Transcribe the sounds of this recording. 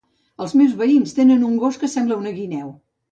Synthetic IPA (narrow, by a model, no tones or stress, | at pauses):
əlˠzmewzβəinst̪enənuŋɡoskəsɛmbləunəɣinɛw